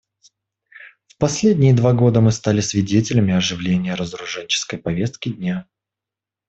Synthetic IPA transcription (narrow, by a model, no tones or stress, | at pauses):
fpɐsʲlʲedʲnʲɪjəd̪vaɡo̞d̪əmɨst̪alʲɪsʲvʲɪdʲetʲɪlʲəmʲɪɐʐɨvlʲenʲɪjəɾəzɾʊʐɛnʲt͡ɕɪ̥skəjpɐvʲe̞st̪̚kʲɪdʲnʲa